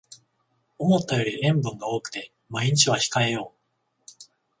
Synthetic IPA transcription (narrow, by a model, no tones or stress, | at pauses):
o̞mo̞t̪ːajo̞ːɾʲiʔẽ̞mbɯ̟̃ŋɡao̞ːkɯ̟̥t̪e̞ | maiɲ̟it͡ɕiβ̞açi̥kae̞jo̞ː